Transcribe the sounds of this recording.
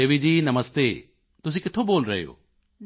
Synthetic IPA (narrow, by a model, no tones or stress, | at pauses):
eːʋid͡ʑiːnɐməst̪e | t̪ʊs̬ĩkɪt̪ʰoboːlɾɐ̰ɦejo̰ː